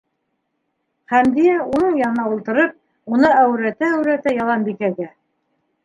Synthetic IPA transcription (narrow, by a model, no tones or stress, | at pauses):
χæmd̪ijæunɤɴjɑnɤ̆nɑulˠt̪ɤ̆ɾɤp̚ | unɤæwɾæt̪æːwɾæt̪æjɑlˠɑnbikæɡæ